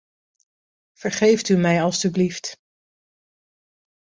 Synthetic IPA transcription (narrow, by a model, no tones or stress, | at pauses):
v̥əɹχejftymɛjɑlˠstyblift